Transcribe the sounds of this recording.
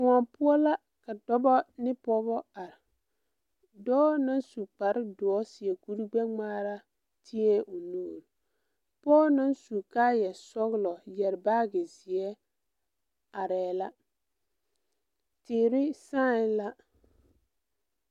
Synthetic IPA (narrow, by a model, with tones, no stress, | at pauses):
wa˨pʊ˦ɔ˦la˦ | ka˨dɔ˦bɔ˦nɪ˦pɔ˦bɔ˦a˨ɾɪ˨ | dɔː˦na˦nsu˨k͡pa˨ɾɪ˦dʊ˨ɔ˦si˨ɛ˨ku˦ɾi˦ɡ͡bɛ˦ŋ͡maː˦ɾa˦ | tʰi˦ɛ˦ʔʊ˨noː˦˨ɾ | pɔː˦na˦nsu˨kaː˦jɛ˨sɔ˦ɣlɔ˨jɛ˨ɾbaː˦ɡɪ˨zi˨ɛ˦ | a˨ɾɛː˨la˦ | tɪː˨ɾɪ˦sãː˦˨˦la˦